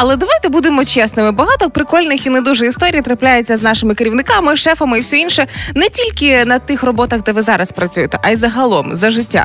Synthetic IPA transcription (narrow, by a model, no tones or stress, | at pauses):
ɐlˠɛd̪ɐʋajt̪ɛbud̪ɪmɔt͡ʃɛsnɪmɪbɐɦɑt̪ɔkpɾɪkɔlʲnɪxinɛd̪uʒɛist̪ɔɾʲijt̪ɾɐplʲajet͡sʲːɐznɑʃɪmɪkeɾʲiwnɪkɑmɪʃɛfɐmɪiwsʲɔinʃɛnɛtʲilʲkɪnɐt̪ɪxrɔbɔt̪ɐɣd̪ɛʋɪzɑɾɐspɾɐt͡sʲujɪt̪ɛʔɐjzɐɦɐlˠɔmzɐʒɪtʲːa̰